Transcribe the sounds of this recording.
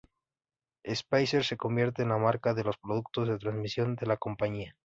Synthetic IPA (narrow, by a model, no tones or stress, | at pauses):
espajseɾse̞ko̞mbje̞ɾt̪e̞ːnlamaɾkaðelo̞spɾo̞ðuk̚t̪o̞zðe̞t̪ɾanzmisjo̞nd̪e̞lako̞mpaɲia